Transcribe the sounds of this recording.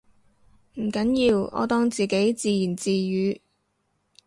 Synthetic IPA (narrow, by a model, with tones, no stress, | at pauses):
m̩˨˩kɐ˨˥njiː˧wɔ̰ː˨˧t̪ɔː˥ŋt͡siː˨ke˨˥jt͡siː˧jiː˨˩nt͡siː˧jyː˨˧˥